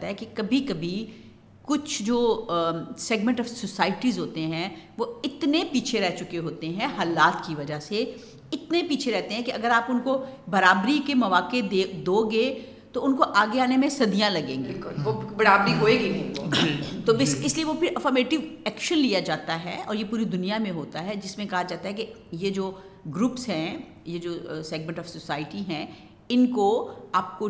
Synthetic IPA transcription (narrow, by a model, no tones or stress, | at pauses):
t̪aɦɛkikɐbʱikɐbʱi | kʊt͡ʃʰd͡ʒoː | sɛːɡmɛ̃ɳʈɔːʋsʊsaːɪʈizɦoːt̪eɦɛ̃ʋoɪt̪nepiːt͡ʃʰeɾɛɦt͡ʃʊkeɦoːt̪eɦɛ̃ɦaːlaːt̪kiʋɐd͡ʒase | ɪt̪nepiːt͡ʃʰeɾɛɦt̪eɦɛ̃kiɐɡəɾaːpʊnkobɐɾaːbɾikemɐʋaːkeed̪oːɡeː | t̪oʊnkoʔaːɡeaːnemẽsɐd̪ijãlɐɡẽːŋɡekʊlʋobɐɽaːbɾiɦoːeɡiʊnkod͡ʒiːt̪oɪsɪslieʋopʰɪɾʔɐfəɾmeːʈɪʋɛːkʃənlijad͡ʒaːt̪aɦɛɔ̰ːɾjepuːɾid̪ʊnijamẽɦoːt̪aɦɛd͡ʒɪsmẽkɐɦad͡ʒaːt̪aɦɛke | jed͡ʒoː | ɡɾuːpsɦɛ̃ | jed͡ʒoːsɛːɡ̚mɛ̃ːɳʈɔːfsʊsaːɪʈiɦɛ̃ | ɪnkoaːp̚ko